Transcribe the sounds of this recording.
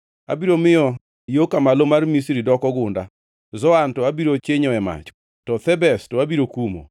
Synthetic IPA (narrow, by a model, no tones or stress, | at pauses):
a̰biɾomɪɔ | jokamalomarmisɾidɔkɔɡʊnda̰ | zɔantɔabiɾot͡ʃeɲɔɛma̰t͡ʃ | tɔt̪ɛbɛstɔabiɾokumo̰